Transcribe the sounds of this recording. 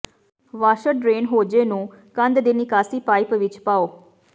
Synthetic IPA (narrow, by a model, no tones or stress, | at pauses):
ʋaːʃəɖɾeːnɦoːd͡ʒeːnũː | kə̃nd̪d̪eːnɪkaːsiːpaːɪpʋɪt͡ʃpaːoː